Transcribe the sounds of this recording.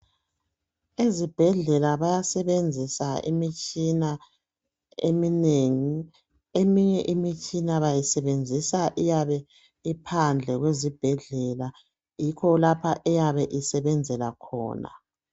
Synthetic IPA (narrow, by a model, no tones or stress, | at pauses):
ezib̥ʱɛɮɛlaβajasɛβend͡zʱisaḭmit͡ʃʼina | ḛmineːŋi | emiɲɛʔimit͡ʃʼinaβajisɛβend͡zʱisaʔijaβɛ | ipʰand͡ɮʱɛɣwezib̥ʱɛɮɛla | jikʰɔlapʰaʔɛjaβɛʔisɛβɛnd͡zʱɛlakʰɔ̰ːna̰